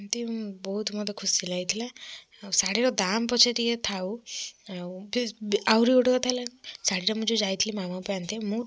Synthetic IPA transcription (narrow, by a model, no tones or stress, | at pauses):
nt̪ibɔɦut̪ʰmɔt̪ekʰusilajt̪ʰila | saɽiɾɔd̪ampɔt͡ʃʰit̪iet̪ʰawawbawɾioɽkɔt̪ʰalasaɽiɾɔmũd͡ʒud͡ʒajt̪ʰilimamawpant̪ʰimũ